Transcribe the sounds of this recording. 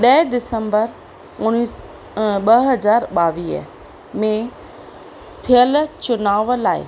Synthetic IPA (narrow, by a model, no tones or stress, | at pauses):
ɗɐɪɖɪsə̃mbəɾ | ʊni | ɓɐɦɐzaːɾɓaːʋiːɦə̰ | mẽ | t̪ʰijəlt͡ɕʊnaːʋəlaːɪ̰